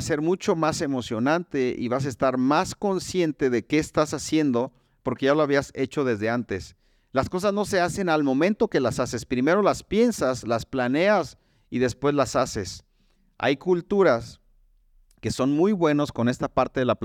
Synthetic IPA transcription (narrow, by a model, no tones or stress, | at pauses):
se̞ɾmut͡ʃo̞mase̞mo̞sjo̞nant̪e̞ʔḭβas̬aest̪aɾmasko̞nsje̞nt̪e̞ðe̞ke̞ːst̪asasje̞nd̪o̞ | po̞ɾke̞ʝaloaβ̞iase̞t͡ʃo̞ð̞e̞zðe̞ant̪e̞s | lasko̞s̬azno̞se̞ase̞nalmõ̞mẽnt̪o̞ke̞lasase̞spɾime̞ɾo̞laspje̞nsaslasplane̞as | iðe̞spwe̞zlasase̞s | a̰jkult̪uɾas | ke̞so̞nmujβwe̞nosko̞ne̞st̪apaɾt̪e̞ðelap